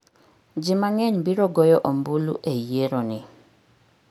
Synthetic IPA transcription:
d͡ʒɪmaŋɛɲbiɾɔɡɔjɔʔombulṵʔejeɾonɪ

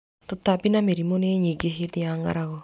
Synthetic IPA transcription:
totabinameɾimoneɲiɡeɦedeaŋa̰ɾaɣɔ

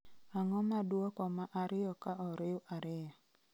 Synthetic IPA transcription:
aŋɔmadwokɔmaʔaɾɪɔkaʔɔɾɪʊʔaɾɪa

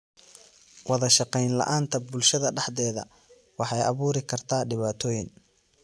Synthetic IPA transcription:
wɑðɐʃɑqɛjnlɐ̰ʔaːnt̪ʰɐbʊlʃɐðɐɖɑħd̪ɛːðɐ̰ | wɑħɑjʔɑβuːɾɪkʰɐrt̪ʰaːɖɪβaːt̪ʰɔːjɪn

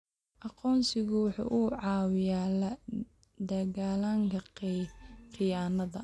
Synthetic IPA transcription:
ʔɑqɔːnsɪɣʊwʊħṵːʔuʕɑːwɪjaːlɐ | d̪ɐɣaːlaŋkʰɐ | qɪjaːnɐðɐ

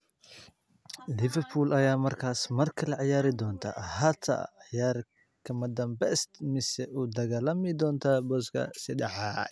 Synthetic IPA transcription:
lɪvɛrpʰuːlɐjaːmɐrkʰaːsmɐrkʰɐlɐʕɪjaːɾɪd̪ɔːnt̪ʰɐ̰hɐt̪ʰɐ̰ʕɪjaːr | kʰɐmɐd̪ɐmbɛːst̪mɪsɛud̪ɐɣaːlɐmɪd̪ɔːnt̪ʰɐbɔskʰɐ̰sɪdɑʕɑ

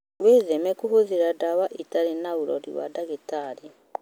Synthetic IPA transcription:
weðemekuhuðiɾadaβaʔitaɾinauɾo̰ɾḭwa̰daɡitaɾi

